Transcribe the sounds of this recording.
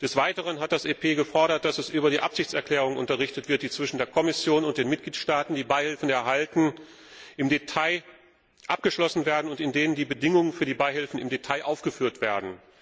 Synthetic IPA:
d̥ɛsv̥aɪtəʁ̞ənɦat̚d̥asʔeːpʰeːɡəfɔɐɾɐt̚d̥asɛsʔyːbɐɾiːʔapz̥ɪçt͡sɛɐkʰl̥ɛːʁ̞ʊŋnʔʊ̰ntɐʁ̞ɪçtətv̥ɪɐt̚d̥iːt͡sv̥ɪʃn̩deːɐkʰɔmɪsjoːnʊnt̚d̥eːnmɪt̚ɡ̥liːtʃtaːtn̩diːbaɪhɪlfn̩ɛɐɦaltn̩ | ʔɪmdetʰaɪ | ʔap̚ɡ̥əʃlɔsn̩veːɐdn̩ʊntɪndeːnəndiːbədɪŋʊŋənfyːɐdiːbaɪhɪlfn̩ɪmdetʰaɪʔaʊfɡ̥əfyːɐtv̥eːɐdn̩

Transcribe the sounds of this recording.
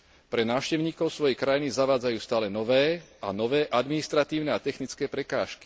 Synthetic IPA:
pɾɛnaːʊʃcɛʊɲiːkɔʊsʋɔjɛjkɾajinizaʋaːd͡zajuːst̪aːlɛnɔʋɛːʔa̰nɔʋɛːʔad̪minist̪ɾat̪iːʊnɛat̪ɛxnit͡skɛːpɾɛkaːʃki̥

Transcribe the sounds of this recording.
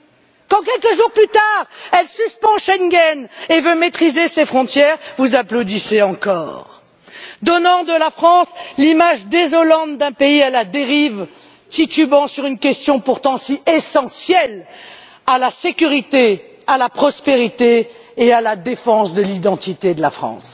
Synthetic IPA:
kɑ̃k̬ʲɛlkəʒuʁplyt̪aʁɛlsyspɑ̃ʃɛŋɡʲɛnevømet̪χizesefχɔ̃t̪jɛʁvuzaplod̪iseɑ̃kɔʁ | d̪ɔnɑ̃d̪əlafχɑ̃slimaʒd̪ezɔlɑ̃t̪̚d̪ɛ̃peialad̪eʁiv | t̪it̪ybɑ̃syʁynkʲɛst̪jɔ̃puʁt̪ɑ̃siesɑ̃sjɛl | alasekʲyʁit̪e | alapχɔspeʁit̪eː | alad̪efɑ̃sd̪əlid̪ɑ̃t̪it̪ed̪əla̰fχɑ̰̃s

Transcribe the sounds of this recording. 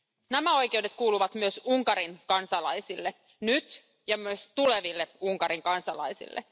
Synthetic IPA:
næmæo̞jke̞wde̞t̪̚kuːluʋɑt̪myøsuŋkɑɾinkɑnsɑlɑjsilːe | nyt̪ | jɑmyøst̪ule̞ʋilːeuŋkɑɾiŋkɑnsɑlɑ̰jsḭlːḛ

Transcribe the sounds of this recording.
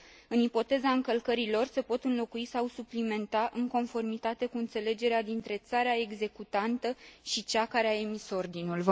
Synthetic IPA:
ɨnipo̞t̪e̞zaɨŋkəlkəɾilo̞rse̞po̞t̪ɨnlo̞kuisawsuplime̞nt̪aʔɨŋko̞nfo̞rmit̪at̪e̞kuɨnt̪se̞le̞d͡ʒe̞ɾead̪int̪ɾe̞t̪saɾeae̞ɡze̞kut̪ant̪əʃit͡ʃakaɾeaemiso̞rd̪inulv

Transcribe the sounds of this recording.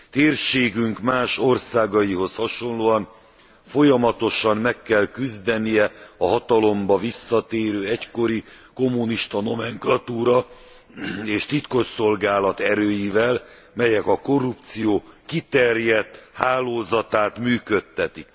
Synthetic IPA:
t̪eːrʃeːɡyŋkmaːʃo̞rsaːɡɒjiɦo̞shɒʃo̞nloːɒn | fo̞jɒmɒt̪o̞ʃɒmmɛkːɛlkyzd̪ɛnijɛɒɦɒt̪ɒlo̞mbɒvisːɒt̪eːɾøːɛcko̞ɾi | ko̞mːuniʃt̪ɒno̞mɛŋklɒt̪uːɾɒ | eːʃt̪it̪ko̞ʃso̞lɡaːlɒt̪ɛɾøːjivɛl | mɛjɛkɒko̞rːup̚t̪sijoːkit̪ɛrjɛt̪ːhaːloːzɒt̪aːt̪myːkø̞t̪ːɛt̪ik̚

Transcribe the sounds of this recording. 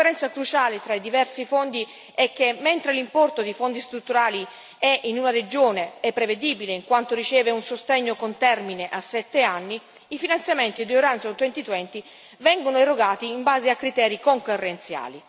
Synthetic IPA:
eɾɛnt̪sakɾut͡ʃaːlet̪ɾaid̪ivɛrsifond̪i | ɛk̟ːemɛnt̪ɾelimpɔrt̪od̪ifond̪ist̪ɾut̪ːuɾaːli | ɛʔinunaɾed͡ʒoːneɛpːɾeved̪iːbileiŋkwant̪oɾit͡ʃɛːveunsost̪eɲːokont̪ɛrmineʔasːɛt̪ːeanːiː | finant̪sjament̪id̪ioɾant̪sat̪wɛnt̪it̪uɛnt̪i | vɛŋɡonoeroɡaːt̪iːmbaːzeakːɾit̪ɛːɾikoŋkorːent̪sja̰ːli

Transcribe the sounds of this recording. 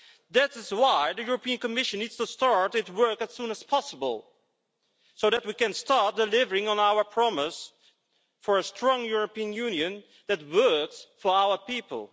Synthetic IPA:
ðætɪzwaɪðɨjʊɹəpʰiɨ̃nkɨmɪʃɨ̃nːidz̥təstɑɹɾɨtwɜ˞kɨz̥sũnɨz̥pʰɑsəbə̰l̩ˠ | soʊðæt̚wikɨ̃nstɑɹt̚d̥ɨlɪvə˞ɪ̃ŋə̃naʊə˞pʰɹ̥ɑmɪs | fə˞əstʰɹ̥ɔ̃ŋjʊɹəpiə̃njʉ̃njɨ̃n | ðɨt̚wɜ˞ksfə˞aʊə˞pipə̰l̩ˠ

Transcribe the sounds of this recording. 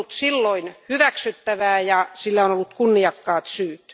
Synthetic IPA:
t̪silːoinhyʋæksyt̪ːæʋæːjɑsilːæonolːut̪kunːiɑkːɑːt̪syːt̪

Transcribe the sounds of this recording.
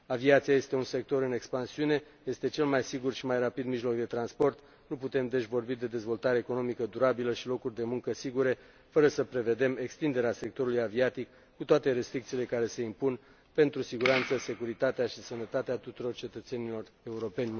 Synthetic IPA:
aviat̪siaje̞st̪e̞unse̞k̚t̪o̞ɾɨne̞kspansiune̞ | je̞st̪e̞t͡ʃe̞lmajsiɡurʃimajrapid̪miʒlo̞kd̪e̞t̪ɾanspo̞rt̪ | nuput̪e̞md̪e̞ʃʲvo̞rbid̪e̞d̪e̞zvo̞lt̪aɾeːko̞no̞mikəd̪uɾabiləʃilo̞kurʲd̪e̞muŋkəsiɡuɾe̞ | fəɾəsəpɾe̞ve̞d̪e̞me̞kst̪ind̪e̞ɾease̞k̚t̪o̞ɾulujaviat̪ikːut̪oat̪eɾe̞st̪ɾik̚t̪siːle̞kaɾe̞se̞impun | pe̞nt̪ɾusiɡuɾant̪səse̞kuɾit̪at̪eaʃisənət̪at̪eat̪ut̪uɾo̞rt͡ʃe̞t̪ət̪se̞nilo̞re̞uɾo̞pe̞nʲ

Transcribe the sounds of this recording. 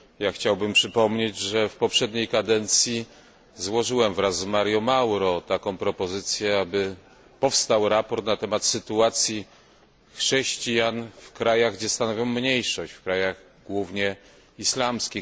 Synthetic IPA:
jaxt͡ɕawbɘmpʂɘpɔmɲed͡ʑʐɛfpɔpʂɛd̪ɲejkad̪ɛnt̪sʲji | zwɔʐɘwɛmvɾazːmaɾjɔmawɾɔt̪akɔ̃w̃pɾɔpɔzɘt̪sʲjɛabɘ | pɔfst̪awɾapɔɾt̪nat̪ɛmat̪sɘt̪uat̪sʲji | xʂɛɕt͡ɕijanfkɾajaɣɡd͡ʑɛst̪anɔvʲjɔ̃w̃ːɲejʂɔɕt͡ɕfkɾajaɣ | ɡwuvɲɛ | islamskʲi

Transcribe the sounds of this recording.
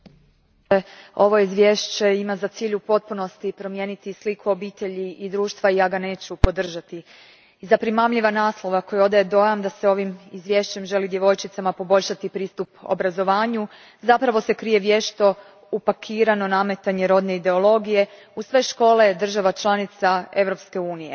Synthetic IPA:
o̞ʋo̞izʋʲje̞ʃt͡ɕe̞imazat̪siːʎupo̞t̪̚puno̞st̪ipɾo̞mje̞ːnit̪islikʰuo̞biːt̪e̞ʎiid̪ɾuːʃt̪ʋaiaɡane̞ːt͡ɕupo̞d̪r̩ʒat̪i | izapɾimamʎiʋanaːslˠo̞ʋako̞jo̞d̪aje̞d̪o̞jamd̪ase̞o̞ʋimizʋje̞ʃt͡ɕe̞mʒe̞lid̪je̞ʋo̞jt͡ʃit̪samapo̞bo̞ʎʲʃat̪ipɾiːst̪upo̰bɾazo̞ʋaːɲu | zapɾaʋo̞se̞kɾije̞ʋje̞ʃt̪o̞ | upakʰiːɾano̞name̞t̪aɲeɾo̞d̪ne̞id̪e̞o̞lˠo̞ɡije̞ | usʋe̞ʃko̞ːle̞d̪r̩ʒaʋat͡ʃlˠanit̪sae̞ʋɾo̞pske̞uːnije

